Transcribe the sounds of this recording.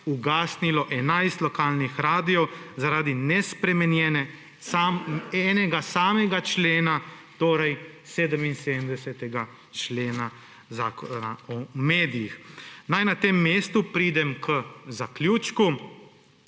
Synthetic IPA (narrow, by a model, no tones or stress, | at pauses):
uɡaːsnilɔʔɛnajst̪lɔkaːlnixɾaːd̪iɔwzaɾaːd̪inɛspɾɛmɛnjɛːnɛ | aɛːnɛɡasaːmɛɡat͡ʃleːnat̪oːɾɛjseːd̪əminsed̪əmd̪ɛsɛt̪ɛɡa | t͡ʃleːna | zaːkɔnaɔmeːd̪ijixnajnat̪eːmːeːst̪upɾiːd̪ɛmkʰəzakljuːt͡ʃku